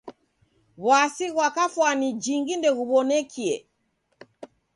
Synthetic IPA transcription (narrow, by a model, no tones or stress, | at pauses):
βwasiɣwakafwanid͡ʒiŋɡindɛɣuβɔnɛkʰiɛ̰